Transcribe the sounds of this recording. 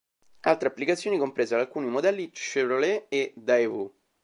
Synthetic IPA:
alt̪ɾeapːlikat̪sjoːnikompɾeːzead̪alkuːnimod̪ɛlːit͡ʃeɾoleed̪ajvu

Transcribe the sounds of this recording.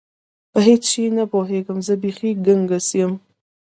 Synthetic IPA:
b̥ɐɦit͡st͡ʃinɐboːɦeːɡɨmzɐbiːxiːɡɨŋɡɐsiəm

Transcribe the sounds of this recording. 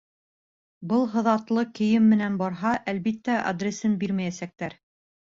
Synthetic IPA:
bɤlˠɦɤ̆ðɑt̪lˠɤkɘ̆jɘmːɘ̆nænbɑɾɦɑʔælβit̪ːæʔɐ̰d̪rʲesɘnbiɾmæjæsæk̚t̪æɾ

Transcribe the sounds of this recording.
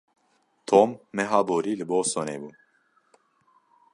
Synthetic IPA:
t̪ʰomːɛɦaːboːɾiːlɨboːsonḛːbuː

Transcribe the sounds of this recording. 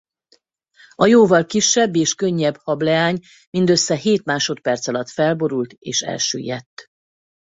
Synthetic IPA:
ɒjoːvɒlkiʃːɛbːeːʃkøɲːɛbhɒblɛaːɲ | mind̪øsːɛɦeːt̪maːʃo̞t̪̚pɛrt̪sɒlɒt̪fɛlbo̞ɾult̪eːʃɛ̰lʃø̰ːjɛt̪ː

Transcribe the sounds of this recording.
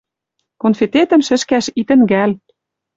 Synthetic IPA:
konfet̪et̪ə̆mʃɘ̆ʃkæʃit̪ɘ̆nɡæl

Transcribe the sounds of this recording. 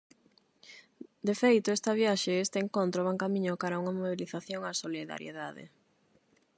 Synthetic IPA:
d̪efejt̪oest̪ɐβ̞jaʃeest̪eeŋkont̪ɾoβaŋkamĩɲokaɾauŋɐmoβiliθaθjoŋasoliða̰ɾjḛða̰ðḛ

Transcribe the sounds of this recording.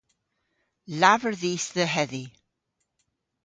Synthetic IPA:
lavəɹðiːsðəɦɛði

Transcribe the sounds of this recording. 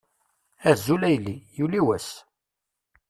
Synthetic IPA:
æzulæjlːijuliwæs

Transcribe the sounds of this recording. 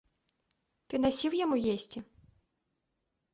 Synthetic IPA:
t̪ɪnɐsʲiwjɔmujɛsʲtʲi

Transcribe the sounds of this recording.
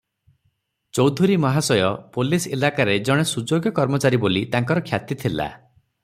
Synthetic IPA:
t͡ʃɔwd̪ʱuɾimɔɦasɔjɔpoliselakaɾed͡ʒɔɽ̃esud͡ʒoɡjɔkɔɾmɔt͡ʃaɾibolit̪aŋkɔɾɔkʰjat̪it̪ʰila̰

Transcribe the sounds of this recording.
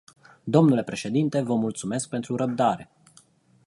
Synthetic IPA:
d̪o̞mnule̞pɾe̞ʃe̞d̪int̪e̞vəmult̪sume̞sk̚pe̞nt̪ɾuɾəb̚d̪aɾe̞

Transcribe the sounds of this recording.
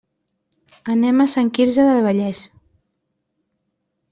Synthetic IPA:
ənɛmasaŋkiɾzəðəlβəʎɛz

